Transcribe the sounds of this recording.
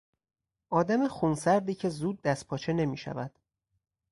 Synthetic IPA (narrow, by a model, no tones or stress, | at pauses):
ʔɒːd̪æmexunsæɾd̪iːcʰe̞zuːd̪̚ːæst̪̚pʰɒːt͡ʃʰe̞ne̞miːʃæ̰væd̪̥